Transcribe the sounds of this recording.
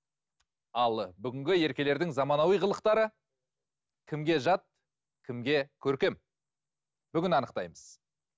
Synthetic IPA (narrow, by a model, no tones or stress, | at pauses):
ɑlˠbʏɡʲɪŋɡʲɪe̞ɾkʲe̞le̞ɾd̪ɪŋzɑmɑnɑwijʁəlˠəqt̪ɑɾə | kʲʰɪmɡʲe̞ʒɑt̪̚ | kʲʰɪmɡʲe̞kʲʰɵɾkʲe̞m | b̥ʏɡʲɪnɑnəq̚t̪ɑjməz̥